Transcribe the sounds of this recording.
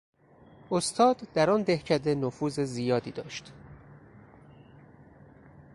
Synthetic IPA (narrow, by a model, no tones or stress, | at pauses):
ʔost̪ʰɒːd̪ːæɾɒnd̪ehcʰæd̪enofuːzezijɒːd̪iːd̪ɒ̰ːʃt̪